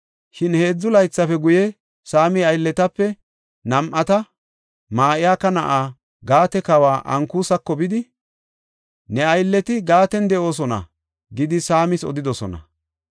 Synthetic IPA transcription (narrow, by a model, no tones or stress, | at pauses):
ʃɪnhe̞ːd͡zːʊlɐjt͡sːɐfɛɡʊjɛ | saːmɪɐjlːɛt̪ɐpːɛ | nɐmʔɐt̪ɐ | maːʔɪjaːkːɐnɐ̰ʔaː | ɡaːt̪ɛkɐwaːʔɐŋkuːsɐkːɔbɪd̪ɪ | nɛɐjlːɛt̪ɪɡaːt̪ɛnd̪ɛʔo̞ːs̬ɔnɐ̰ | ɡɪd̪ɪsaːmɪsɔ̰d̪ɪd̪ɔsɔ̰nɐ̰